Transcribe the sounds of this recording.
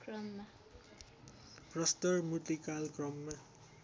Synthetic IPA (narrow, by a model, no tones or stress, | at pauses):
krʌmːa | prʌst̪ʌrmut̪ːikalkrʌmːa